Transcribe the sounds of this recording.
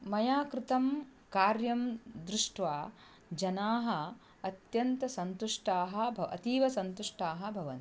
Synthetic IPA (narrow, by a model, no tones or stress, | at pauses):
mɐjaːkɾɪt̪ɐmkaːɾjɐmd̪ɾɪʂʈʋaː | d͡ʒɐnaːɦɐ̆ | ɐt̪jɐnt̪ɐsɐnt̪uʂʈaːɦɐ̆bʱɐɐ̰t̪iːʋɐsɐnt̪uʂʈaːɦɐ̆bʱɐʋɐ̰n